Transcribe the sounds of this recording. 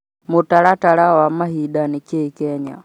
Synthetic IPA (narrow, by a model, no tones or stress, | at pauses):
mutaɾatalawamaɦiɗanikɛikɛɲa̰